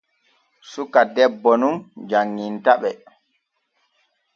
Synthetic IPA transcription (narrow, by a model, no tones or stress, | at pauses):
sukadɛbːɔnumd͡ʒaŋːintaɓɛ